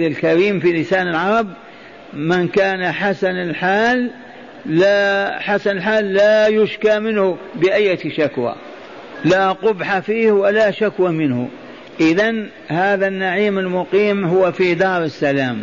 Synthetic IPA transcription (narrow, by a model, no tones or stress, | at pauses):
ɪlkaɾiːmfilɪsaːnɪlʕɑɾˤɑb | mɪnkaːnaħasanɪlħaːlː | aħasanɪlħaːlːaːjʊʃkaːmɪnhʊbɪʔajːaʃakwa̰ː | laqʊbħafiːhwalaʃakwamɪnhʊ̰ | ʔɪðan | haːðanːaʕiːmɪlmʊqiːmɦʊwafid̪ɑːɾˤɪsːalaːm